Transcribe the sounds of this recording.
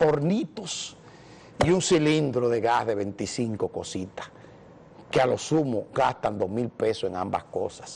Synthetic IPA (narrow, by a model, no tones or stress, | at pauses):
po̞ɾnit̪os | iuŋsilind̪ɾoðeɣahðe̞βe̞nt̪isiŋko̞ko̞sit̪ḁ | kealo̞sumoɡast̪and̪o̞hmilpe̞soeŋa̰mba̰skosḁs